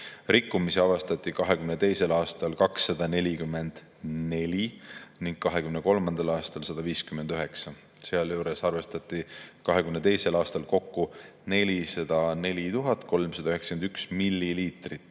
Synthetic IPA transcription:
rikːumisiɑvɑst̪ɑt̪ʲːˑikɑɦe̞kymnet̪e̞jse̞lɑːst̪ɑlkɑksːɑd̪̥ɑne̞lʲikymːe̞nd̪̥ | ne̞lʲiniŋɡ̥̚kɑɦe̞kymneko̞lmɑnd̪̥ɑlɑːst̪ɑlsɑd̪̥ɑviːskyme̞nd̪̥yɦe̞ksɑ | seɑljuːɾe̞sɑrve̞st̪ɑt̪ːˑikɑɦe̞kymnet̪e̞jse̞lɑːst̪ɑlko̞kːu | ne̞lʲisɑd̪̥ɑne̞lʲit̪uɦɑt̪ːˑko̞lmsɑd̪̥ɑyheksɑ̥kend̪yksmilːiliːt̪rit̪ːˑ

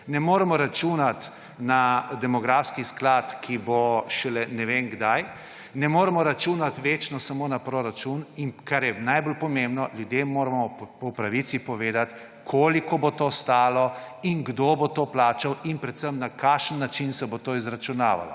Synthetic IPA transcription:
nɛmoːɾɛmɔɾat͡ʃunat̪ | nad̪ɛmɔɡɾaːfskisklaːt̪kʰiboʃɛlɛnɛʋeːnɡd̪aj | nɛmoːɾɛmɔɾat͡ʃuːnat̪ʋet͡ʃnɔsamoːnapɾoɾat͡ʃuninkaɾjɛnajbolpɔmembnɔljud̪jemːoːɾamɔpɔpɾaʋit̪sipɔʋeːd̪at̪ | kʰoːlikɔbot̪oːst̪aːlɔiŋɡd̪oːbot̪oːplaːt͡ʃawinpɾɛt̪səmnakʰaːʃənːat͡ʃinsɛbot̪oːizɾat͡ʃunaːʋa̰lɔ̰

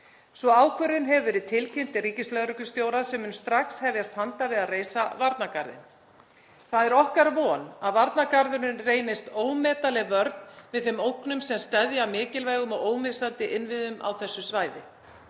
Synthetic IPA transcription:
svɔaːwkʰœɾðɪnɦɛvvɪɾɪðt̪ʰɪlcʰen̥t̪ɪriːcɪslœðɾʏkʏst̪joːwɾasɛmːʏnst̪ɾaxkshɛvjast̪hant̪avɪðaðreːjsavaɾt̪nakaɾðɪ̰n | θaðɛɾɔhkaɾvɔːnaðvaɾt̪nakaɾðʏɾɪnreːjnɪst̪oːwmɛːt̪alɛɣvœɾt̪nvɪðθfɪmowknʏmsɛmst̪ɛðjaamɪːcɪlvɛːɣʏmɔɣoːwmɪsant̪ɪʔɪnvɪðʏma̰wθɛsːʏsvaːjðɪ

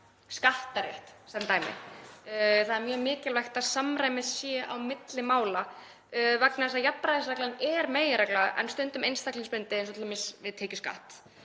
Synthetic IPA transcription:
skaht̪aɾḛht̪sɛnt̪aːjmɪ̰ | θaðɛɾmjœːmɪːcɪlvajxt̪aðsamɾajmɪsjɛa̰wmɪt̪lɪmaːwla | vaknaɛsajapːɾaɪsɾaklaðnɛɾmeːjɪɾaklaðʔɛ̰nst̪ʏnt̪ʏmejnst̪akliŋspɾʏnt̪ɪɛnswɔt̪ːmɪsvɪðt̪ʰeːcʏska̰ht̪

